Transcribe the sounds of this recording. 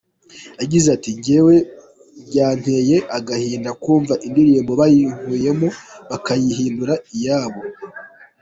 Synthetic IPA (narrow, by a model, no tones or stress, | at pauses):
aɟizatiɲɟewe̞ | bɟaːn̥he̞je̞ʔaɡahiːndakuːɱvaʔindiɾiːmbo̞βajihuːje̞moβakajiɦiːnduɾaijaːβo̞